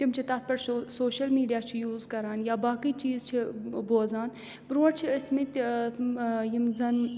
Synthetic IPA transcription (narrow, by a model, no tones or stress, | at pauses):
t̪imt͡ʃʰit̪ɐt̪̚pɐɾsoːʃɐlmiːɖijaːt͡ʃʰijuːzkɐɾaːnjaːbaːkiːt͡ʃiːzt͡ʃʰiboːzaːn | pɾũːɽt͡ʃʰiəsmẽt̪ | jimzɐn